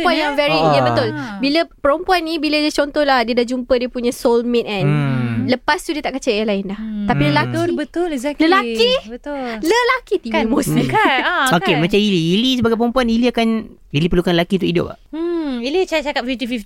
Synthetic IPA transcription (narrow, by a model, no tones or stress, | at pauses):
uanjaŋvɛɾiəbət̪ʊlbiləpəɾəmpuanːĩbilədiət͡ʃɔnt̪ɔhlahdiədahd͡ʒumpədiəpuɲãsolmit̪̚ɛnləpast̪udiət̪aʔkət͡ʃəɛlaɪnlaht̪apiləlakibət̪ʊlɛɡzɛkləlakibət̪ʊləlakit̪iimosikaokemãt͡ʃamiliilisəbaɡajp̬əɾəmpuaniliakan | dilipərlukanləlakit̪ukidʊ̰p̚a̰ilit͡ʃat͡ʃakap̚fift̪ifif